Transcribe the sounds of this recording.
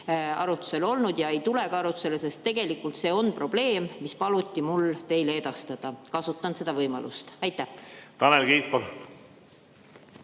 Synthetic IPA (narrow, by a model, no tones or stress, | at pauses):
ɑɾut̪ːˑu̥se̞lo̞lnud̪̥jɑe̞jt̪ule̞kɑɑɾut̪u̥se̞lese̞st̪ːe̞ɡ̥e̞likːˑult̪se̞ːo̞npro̞b̥le̞ːmːispɑlut̪ʲːˑimult̪e̞jlee̞d̪ɑst̪ɑd̪̥ɑkɑsut̪ːˑɑnse̞d̪̥ɑvɤjmɑ̰lʔṵst̪ɑjt̪ˑːæht̪ɑnelɡiːpol